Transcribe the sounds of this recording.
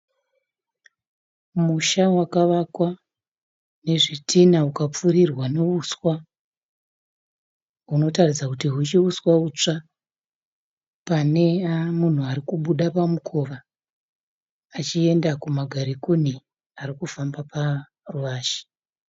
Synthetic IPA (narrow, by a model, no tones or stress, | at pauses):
muʃawakaʋakwa | ne̞ʐitʰinaukap͡furirwane̞uswa | ɦuno̞tarid͡zakutiɦut͡ʃiuswaut͡ʂa | pane̞amun̤uaɾikuɓuɗapamukʰoʋa | t͡ʃie̞ndakumaɡʱaɾikuni | aɾikufambapa | ruʋaːʃi̥